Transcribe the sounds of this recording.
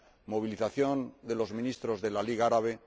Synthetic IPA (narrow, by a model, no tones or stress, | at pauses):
mo̞β̞iliθaθjo̞nd̪e̞lo̞zmĩnist̪ɾo̞zðe̞laliɣaaɾaβe̞